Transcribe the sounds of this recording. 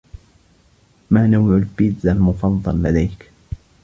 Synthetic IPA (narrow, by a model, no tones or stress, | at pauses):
maːnawʕʊlbɪd̪almʊfɑðˤːɑlːad̪ajk